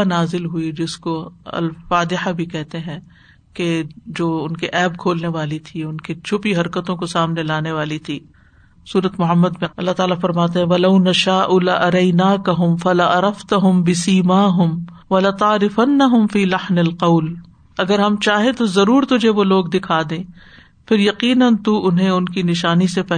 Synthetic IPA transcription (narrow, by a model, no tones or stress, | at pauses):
naːzɪlɦuid͡ʒɪskoɐ̰lfaːd̪ɪħabʱikɛɦt̪eɦɛ̃ | ked͡ʒoːʊnkiʔɛːbkʰoːlneʋaːlit̪ʰiʊnkit͡ʃʰʊpiɦɐɾkət̪õkosaːmnelaːneʋaːlit̪ʰiː | suːɾət̪mʊɦəmːəd̪mẽɐlːaɦt̪aːlafɐɾmaːt̪̬eɦɛ̃ʋɐlɐʊnɐʃaːʔulɐʔɐɾɐɪnaːkɐɦʊmfɐlɐʔɐɾɐft̪ɐɦʊmbɪsiːmaːɦʊm | ʋɐlɐt̪ɑːɾɪfɐnːɐɦʊmfiːlɐħnɐlqɐʊl | ɐɡəɾɦɐmt͡ʃaːɦẽt̪ozɐɾuːɾt̪ʊd͡ʒʱeʋoloːɡd̪ɪkʰaːd̪ẽː | pʰɪɾjɐqiːnənt̪uʔʊnɦẽʊnkinɪʃaːnisepɛ